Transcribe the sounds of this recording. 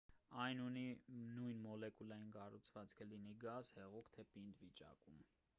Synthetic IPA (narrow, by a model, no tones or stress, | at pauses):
ɑjnuninujnmɔlɛkulɑjinkɑrut͡sʰv̥ɑt͡skʰəliniɡɑzhɛʁukʰt̪ʰɛpind̪vit͡ʃɑ̰kum